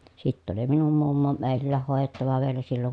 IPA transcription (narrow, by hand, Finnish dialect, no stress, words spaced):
sitː oli minum mumːo meˑi̯lːæːh hoˑejetːɑʋɑ ʋielæ silːoŋ